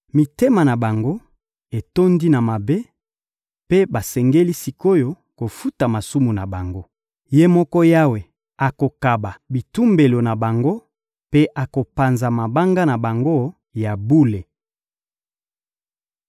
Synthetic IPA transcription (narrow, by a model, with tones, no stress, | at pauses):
mi˨te˦ma˨na˨ba˨ŋɡo˦ | e˨to˦ndi˦na˨ma˨be˦ | pe˦ba˨sɛ˨ŋɡe˦li˦si˨ko˦jo˦ | ko˨fu˦ta˨ma˨su˦mu˨na˨ba˨ŋɡo˦ | je˦mɔ˦kɔ˦ja˦we˨ | a˨ko˨ka˨ba˨bi˨tu˦mbe˨lo˨na˨ba˨ŋɡo˦ | pe˦ʔa˨ko˨pa˨nza˨ma˨ba˦ŋɡa˦na˨ba˨ŋɡo˦ | ja˨bu˦le˨